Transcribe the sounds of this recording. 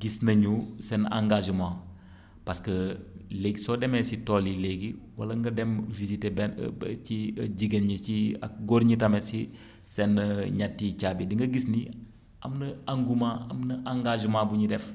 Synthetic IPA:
ɡisnɐɲusɛna̰ŋɡaʒəmãː | pɐskəleːɡisɔːdɛmesitoːlileɡiwɐ̰lɐŋɡɐdɛmvizitebɛnt͡ʃiɐɟiɡenɲət͡ʃia̰k̚ɡoɾɲitɐmesi | sɛnːɐɲɐtːit͡ʃaːbidiŋɡɐɡisni | ɐ̰mnɐaŋɡumãːɐmnɐʔaŋɡaʒəmãːbuɲidɛf

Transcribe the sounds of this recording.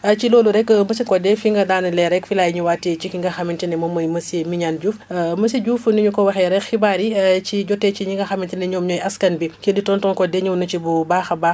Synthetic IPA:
ɐt͡ʃiloːluɾɛkməsikɔdɛfiŋɡɐdaːnɐlɛɾɛkfilajɲuwaːtːɛt͡ʃikiŋɡɐxɐmintinɛmɔmɐjmɐsiemiɲanɟuːfmɐsiɟuːfniɲukɔwɐxɛɾɛkxibaɾit͡ʃiɟɔtːɛt͡ʃiɲiŋɡɐxɐmintinɛɲɔːmɲɔjɐskɐnbikeditɔntɔːnkɔdɛɲɔmnɐt͡ʃibubaːxɐbaː

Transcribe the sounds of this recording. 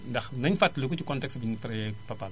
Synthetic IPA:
dɐxnɐɲfɐtlukutukɔntɛksbintɾɛpɐpal

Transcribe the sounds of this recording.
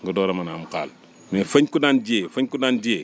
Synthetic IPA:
ŋɡudɔːɾɐmanaːmuka̰ːl | mefɐɲkudaːnd͡ʒeːfɐɲkudaːnd͡ʒeː

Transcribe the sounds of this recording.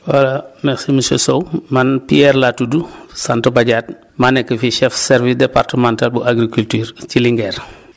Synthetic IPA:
walamɛxsimisosowmanpiɛɾlatudusantobaɟaːt̚ | manɛkːəfiʃɛfsɛɾvisdepartəmãntalbuaɡɾikultyːɾciliŋɡɛːɾ

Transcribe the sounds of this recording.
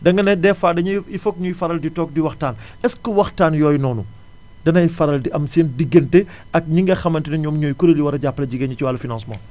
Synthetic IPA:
dɐŋɡɐnɛdɛːfaːdɐɲuifɔk̚ɲujfɐɾɐlditɔːk̚diwɐxtaːn | ɛskəwɐxtaːnjɔːjnɔːnṵ | dɐnɐjfɐɾɐldiʔɐmsiːndiɡːɐntɛ | ɐk̚ɲiŋɡɐxɐmɐntinɐɲɔːmɲoːjkuɾeliwɐɾɐɟapːlɐɟiɡɐɲciwaːlːɐfinãnsmã̰ː

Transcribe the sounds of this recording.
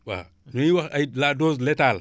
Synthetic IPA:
wa̰ | noiwaailadozletal

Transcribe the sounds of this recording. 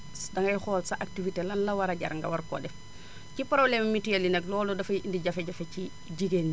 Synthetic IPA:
dɐŋɐjxɔːlsaʔak̚tivitelanlɐwaɾaɟɐ̰ɾŋɡa̰waɾko̰ːdɛf | cipɾoblemmitujɐlinɛklɔːlɔdɐfiindiɟɐfeɟafeci | ɟiɡen

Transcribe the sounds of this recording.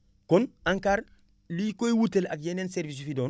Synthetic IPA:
konaŋkaːɾ | likojwutelak̚jenenseɾvis̬fidoːn

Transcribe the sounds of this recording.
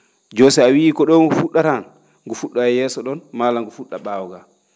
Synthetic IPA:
d͡ʒɔsɛawiːkɔɗɔŋɡufuɗːaɾan | ŋɡufuɗːaɛjɛːsɔɗɔnmaːlaŋɡufuɗːaɓawɡa

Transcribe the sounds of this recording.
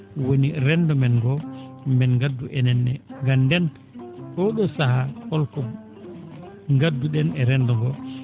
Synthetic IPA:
woniɾɛndɔmɛnɡɔmbɛnɡadːuʔɛnɛnːɛŋɡandɛn | ɗɔɗɔsahakɔlkɔ | ŋɡadːuɗɛnɛɾɛndɔŋɡɔ

